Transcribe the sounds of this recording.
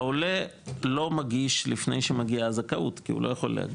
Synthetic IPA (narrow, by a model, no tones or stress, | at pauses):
aolelo̞maɡiʃlifnḛjʃemaɡiaːzakaʔutkiṵlʔo̞jaχo̞̰lːḛa̰ɡ